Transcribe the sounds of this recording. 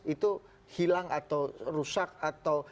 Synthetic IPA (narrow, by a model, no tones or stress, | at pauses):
it̪u | hilaŋat̪awrusak̚at̪aw